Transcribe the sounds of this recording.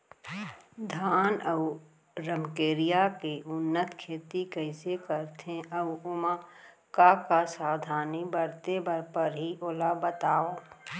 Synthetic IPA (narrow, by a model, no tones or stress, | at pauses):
d̪ʱaːnəʊ | ɾəmkeːɾijakeʔʊnːət̪kʰeːt̪ikəɪsekəɾt̪ʰẽəʊʊma | kakasaːwd̪ʱaːnibəɾt̪ebəɾpəɾɦiʔolabət̪aːoː